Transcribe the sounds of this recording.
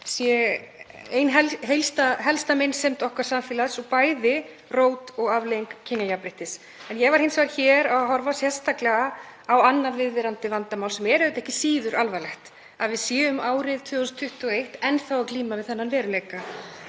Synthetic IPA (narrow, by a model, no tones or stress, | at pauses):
sjɛ | ejnɦɛɦejlst̪aɦɛlst̪amensɛmt̪ɔhkaɾ̥samfiːlaðsɔpaːjðɪ | roːwt̪ɔɣavlejŋkcʰɪnːajapɾɪht̪ɪs | ɛnjɛɣvaɾ̥hɪnsvaɾ̥çɛːɾaɦɔɾvasjɛst̪ʰaklɛɣaawanːaɾvɪðvɪɾant̪ɪvant̪amawlsɛmɛɾɛʏt̪ɛhcɪsiːðʏɾʔalvalɛxt̪ | aðvɪðsjɛːʏmaːwɾɪðt̪ʰvʏːst̪ʰːʏht̪ʏɔejht̪ɛnːθawawkliːmavɪðθɛnːanvɛːɾʏleːjka